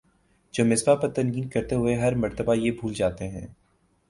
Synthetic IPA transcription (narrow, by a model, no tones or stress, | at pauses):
d͡ʒoːmɪsbapɐɾt̪ɐ̃nɡiːnkɐɾt̪eɦʊeɦɐɾmɐɾt̪əbajebʱuːld͡ʒaːt̪eɦɛ̰̃ː